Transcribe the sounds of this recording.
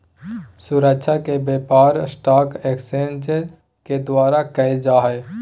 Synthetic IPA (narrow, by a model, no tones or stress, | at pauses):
suɾəkʃʰakebjeːpaːɾsʈaːkeːksẽnd͡ʒ | ked̪waːɾakəed͡ʒaːɦɛ